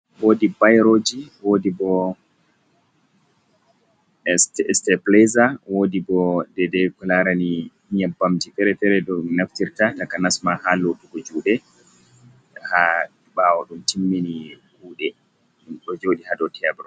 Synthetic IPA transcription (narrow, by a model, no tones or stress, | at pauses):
woːdibajɾod͡ʒiwodibɔ | stɛɛstɛplɛzawodibɔdɛdɛkɔlaɾani | ɲabːamtifɛɾɛfɛɾɛɗɔnaftiɾtatakanasmahaloɗuɡɔd͡ʒuːɗɛ | ha | ɓawɔɗumtimːini | huːɗɛ | ɗumɗɔd͡ʒoɗihadɔtʰɛbɾɔ